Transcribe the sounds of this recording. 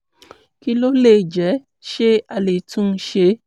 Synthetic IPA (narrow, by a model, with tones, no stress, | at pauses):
ki˦lo˦le˦˨d͡ʒɛ˨˦ | ʃe˦a˧le˨tũ˦˧˦ʃe˧˦